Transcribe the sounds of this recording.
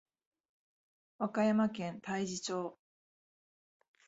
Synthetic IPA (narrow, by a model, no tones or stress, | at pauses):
βakajamakẽ̞nt̪aiʑit͡ɕo̞ː